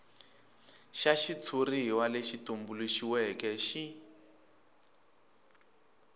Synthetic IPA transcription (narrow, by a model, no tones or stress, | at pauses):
ʃaʃit͡sʰuriɦiwaleʃitumbuluʃiwɛkɛʃi